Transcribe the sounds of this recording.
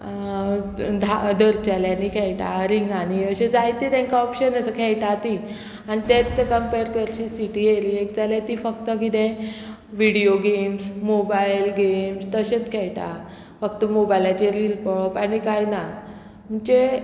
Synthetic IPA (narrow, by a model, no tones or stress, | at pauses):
d̪ʱad̪əɾt͡ɕaljanikʰɛɭʈ̪a̰ɾiŋɡaniəɕed͡zajt̪it̪ɛ̃ŋkaɔpɕənəsəkʰɛɭʈ̪at̪i | anit̪et̪kəmpeɾkəɾt͡ɕisiʈieɾiekd͡zaljat̪ifəkt̪əkit̪ẽ | ʋiɽioɡemsmobajlɡemst̪əɕet͡skʰɛɭʈ̪a̰ | fəkt̪əmobajlat͡ɕeɾilpɔɭpanikajna | m̤uɳt͡ɕe